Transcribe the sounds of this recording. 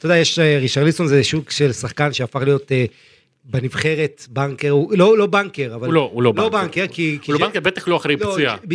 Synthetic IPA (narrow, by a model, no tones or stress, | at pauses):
t̪od̪ajeʃeʁiʃaʁliso̞nzeʃukʃe̞lsaχkanʃeafaχlijo̞t̪e | benivχe̞ʁet̪baŋkeʁulo̞lo̞baŋkeʁavalloulolobaŋkeʁkikiobaŋkebet̪aχloaχɾejloujab